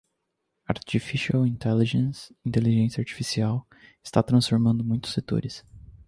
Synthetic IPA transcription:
aɾt͡ʃifiʃiawĩnt̪ɛliʒẽsĩnt̪eliʒẽsjɐaɾt͡ʃi̥fisiaw | ɪ̥st̪at̪ɾɐ̃sfoɾmɐ̃nd̪ʊmũj̃t̪ʊ̥set̪o̰ɾɪs

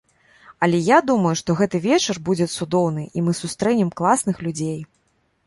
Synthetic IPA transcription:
ɐlʲɛjad̪umɐjuʂt̪ɔɣɛt̪ɨvʲɛt͡ʂɐrbud͡zʲɛt̪sud̪ɔwn̪ɨʔimɨsust̪ɾɛnʲɛmklˠasn̪ɨxlʲud͡zʲej

